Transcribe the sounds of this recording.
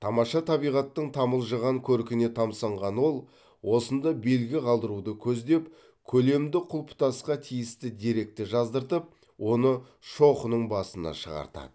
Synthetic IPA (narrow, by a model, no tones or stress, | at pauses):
t̪ʰɑmɑʃɑt̪ʰɑbijʁɑt̪ːəɴt̪ʰɑməlˠʒəʁɑŋkʲʰɵɾkʲɪne̞t̪ʰɑmsɑɴʁɑnwo̞lˠ | wo̞sənd̪ɑbe̞lɡʲɪqʰɑlˠd̪əɾud̪əkʲʰɵzd̪e̞p | kʲʰɵle̞md̪ɪqʰʊlˠpʰʊ̥t̪ɑsqɑt̪ʰijɪst̪ɪd̪eɾe̞k̚t̪ɪʒɑzd̪əɾt̪əp̚ | wo̞nə | ʃo̞χənəɴbɑsənɑ̰ʃəʁɑ̰ɾt̪ɑ̰d̪ə